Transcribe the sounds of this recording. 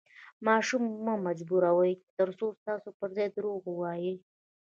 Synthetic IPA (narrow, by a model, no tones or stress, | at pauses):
mɑʃumːamad͡ʒbuɾawəjt̪əɾsost̪ɑsopəɾzɑjd̪ɾoɣwɑjə